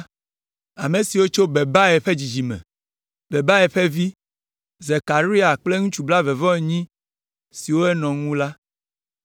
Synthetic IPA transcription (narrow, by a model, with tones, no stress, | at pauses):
a˨me˨si˨wo˦t͡ʃo˦be˨ba˦ɛ˨ɸe˦d͡ʑi˨d͡ʑi˨mɛ̰̃˨ | be˨ba˦ɛ˨ɸe˦vi˦ | ze˨ka˨ɾi˦a˨k͡ple˦ŋũ˦t͡ʃu˨bla˦ve˨vɔ̃˦e˨ɲĩ˦ | si˨wo˦ɛ˦nɔ̃˨ŋũ˦la˦